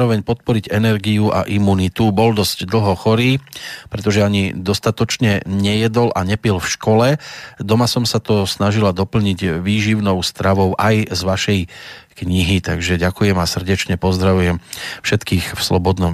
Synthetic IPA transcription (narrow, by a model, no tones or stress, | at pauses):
ɾɔʋɛɲpɔt̪̚pɔɾiɟɛnɛɾɡijuʔa̰ʔimunit̪ubɔld̪ɔz̥ɟd̪l̩ɦɔxɔɾiːpɾɛt̪ɔʒɛaɲid̪ɔst̪at̪ɔt͡ʃɲɛɲɛjɛd̪ɔlʔaɲɛpilfʃkɔlɛd̪ɔmasɔmsat̪ɔsnaʒilad̪ɔpl̩ɲiɟʋiːʒiʊnɔʊst̪ɾaʋɔʊʔajzʋaʃɛjkɲiɦit̪aɡʒɛɟakujɛmasr̩ɟɛt͡ʃɲɛpɔzd̪ɾaʋujɛmfʃɛt̪kiːxfslɔbɔd̪nɔm